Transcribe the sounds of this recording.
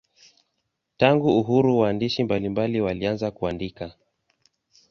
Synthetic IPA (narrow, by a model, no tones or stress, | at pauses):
taŋɡuːɦuɾuwaːndiʃimbalimbaliwalianzakuandika